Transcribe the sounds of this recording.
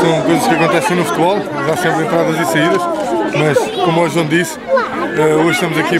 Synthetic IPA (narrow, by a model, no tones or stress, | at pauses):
sɐ̃w̃kojzɐʃkɐkõnt̪ɛsẽj̃nufu̥t̪βɔlˠ | ʒasẽmpɾẽnt̪ɾaðɐzisɐiðɐʃmɐʃkomɔʒõd̪is | aoʒʃt̪ɐmuzɐki